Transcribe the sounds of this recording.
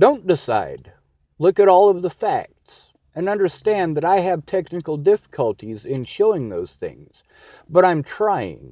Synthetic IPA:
d̥õʊ̃nd̥ɪsa̰ɪd̥ | lʊkɨɾɔlˠʌvðəfæ̰k̚ts | ɨ̃nʌ̃ndə˞stæ̃nðɨɾaɪɨv̥tʰɛknɨkl̩ˠdɪfə̥kʰəlˠtʰizɪ̃nʃoʊɪ̃ŋðoʊz̥θɪ̰̃ŋz̥ | b̥ʌɾãɪ̃mtʰɹ̥aɪɪ̰̃ŋ

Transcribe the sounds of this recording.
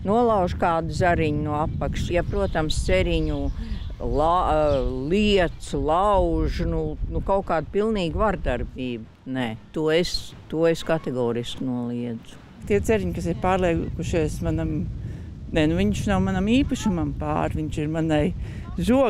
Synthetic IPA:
nuɔlˠɑwʒkaːd̪zaɾiɲnuapːakʃt͡ʃjapɾuɔt̪amst̪seɾiɲu | lˠa | lˠiɛt̪slˠɑwʒnunukaʊkaːd̪̚pilˠniːɡvaɾd̪aɾbiːbunɛt̪uɔest̪uɔeskat̪eɡɔːɾisknuɔlˠiɛd̪z̥u̥ | t̪iɛt̪sɛɾiɲkas̬ɪɾpaːɾlˠikuʃiɛsmanam | nɛnuviɲʃnawmanamiːpaʃumampa̰ːɾʋiɲʃiɾmanaj | zuɔ

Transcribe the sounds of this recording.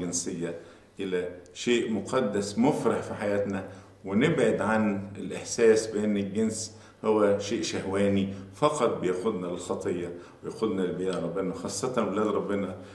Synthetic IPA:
ɡɪnsejːæ | ʔɪlæʃeːʔmʊqɑd̪ːæsmofɾɑħfiħajæːt̪næ | wenɪbʕed̪ʕanelʔeħsæːsbɪʔenːelɡens | howːæʃeːʔʃæhwæːnifɑqɑt̪̚ˤbɪjæxʊd̪nælxɑt̪ˤejːɑwejæxod̪nælbeːʔɾˤɑbːenæwxɑːsˤːɑt̪ɑnwelæːlɾˤɑbːɪnɑ

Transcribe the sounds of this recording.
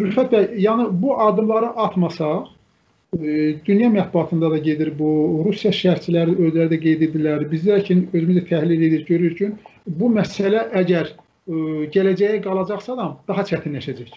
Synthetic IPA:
ɾyɾfæt̪̚bæjjɑnɯbuʔɑd̪ɯmlˠɑɾɯʔɑt̪ʰmɑsɑ | d̪ynjɑmæt̪̚buɑt̪ʰɯnd̪ɑd̪ɑɟe̞d̪iɾbuɾusjɑʃæɾt͡ʃʰilæɾiøzlæɾid̪æɡe̞jd̪ed̪ilæɾɾbizlæcʰinø̞zymyzæt̪ʰæhlile̞d̪iɾɟøɾyɾcʰynbumæsælæʔæɟæɾ | ɟælæd͡ʒæjæɡɑlˠɑd͡ʒɑχsɑd̪ɑmd̪̥ɑɦɑt͡ʃʰæt̪ʰinlæʃæd͡ʒæç

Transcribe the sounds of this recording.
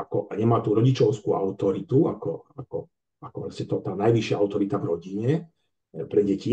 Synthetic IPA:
akɔʔaɲɛmaːt̪uːɾɔɟit͡ʃɔʊskua̰ʊt̪ɔɾit̪ua̰kɔakɔ | akɔpɾɛscɛt̪ɔt̪aːnajʋiʃɪaaʊt̪ɔɾit̪avɾɔɟiɲɛ | pɾɛɟɛci

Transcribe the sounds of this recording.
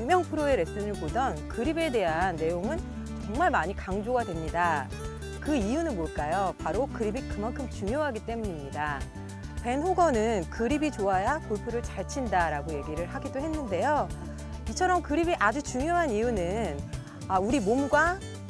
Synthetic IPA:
ŋmjʌŋpʰɯɾoeɾe̞s͈ɯnɯɭpodʌnkɯɾibe̞de̞ɦanːe̞joŋɯn | t͡ɕʌŋmaɭmaɲikaŋd͡ʑoɡadwe̞mɲida | kɯijunɯnmoɭk͈ajopaɾokɯɾibikɯmankʰɯmt͡ɕuŋjoɦaɡit͈e̞muɲimɲida | pe̞nɦoɡʌnɯnkɯɾibit͡ɕoajakoɭpʰuɾɯɭt͡ɕaɭt͡ɕʰindaɾaɡoje̞ɡiɾɯɭɦaɡidoɦe̞nːɯnde̞jo | it͡ɕʰʌɾʌmkɯɾibiʔad͡ʑut͡ɕuŋjoɦanijunɯn | auɾimomɡwa

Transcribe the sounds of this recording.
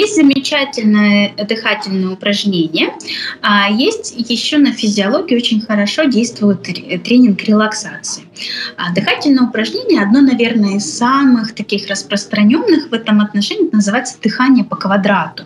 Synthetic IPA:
jesʲtʲzəmʲɪt͡ɕætʲɪlʲnəjəd̪ɨxatʲɪlʲnəjəʊpɾɐʐnʲenʲɪjəajesʲtʲjɪɕːonəfʲɪzʲɪɐlˠoɡʲɪo̞t͡ɕɪnʲxəɾɐʂo̞dʲejst̪vʊjɪt̪t̪ɾʲenʲɪnkɾʲɪlˠɐksat̪sɨɪd̪ɨxatʲɪlʲnəjəʊpɾɐʐnʲenʲɪjəɐd̪nonɐvʲe̞rnəəɪsːamɨxt̪ɐkʲixrəspɾəst̪ɾɐnʲo̞nːɨxvɛt̪əmɐt̪nɐʂɛnʲɪnəzɨvajɪt̪səd̪̥ɨxanʲɪjəpəkvɐd̪ɾat̪ʊ̥

